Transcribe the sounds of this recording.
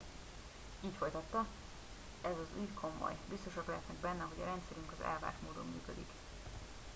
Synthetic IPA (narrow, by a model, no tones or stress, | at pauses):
iːcfo̞jt̪ɒt̪ːɒ | ɛzɒzuːjkʰo̞mo̞̰jbist̪o̞ʃɒklɛɦɛt̪nɛɡbɛnːɛɦo̞ɟɒ̰ɾɛnt̪sɛɾyŋkɒzɛ̰lva̰ːrʃmoːd̪omːy̰ːkød̪ik